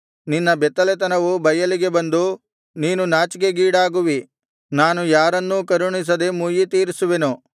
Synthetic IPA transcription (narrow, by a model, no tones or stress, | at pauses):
ninːɐbɛt̪ːɐlet̪̬ɐnɐʋubʱɐjɐliɡe̞bɐnd̪u | niːnunaːt͡ʃiɡeɡiːɽaːɡuʋi | naːnujaːɾɐnːukɐɾuɳis̬ɐd̪emuːjit̪iːɾisuʋenu